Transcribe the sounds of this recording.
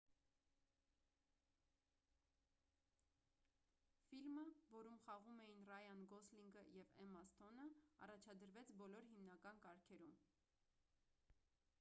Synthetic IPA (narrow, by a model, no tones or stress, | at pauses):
filməvɔɾumχɑʁumɛjinrɑjɑnɡɔsliŋɡəjɛvɛmɑst̪ʰɔnəɑ̰rɑt͡ʃʰɑd̪əɾvɛt͡sʰbɔlɔɾɦimnɑkɑnkɑɾkʰɛɾum